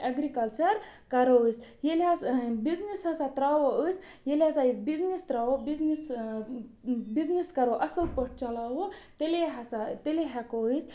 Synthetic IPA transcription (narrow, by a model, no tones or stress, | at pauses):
ɐɡɾikɐlt͡ʃɐɾkɐɾoəsjelʲasbid͡znishɐsat̪ɾawoəsʲjelɐsaisbid͡znist̪ɾawobiznis | bizniskɐɾoʔɐsəlpəʈ̚ʰt͡ʃɐlaɦot̪eleɦɐsat̪eleɦɛkois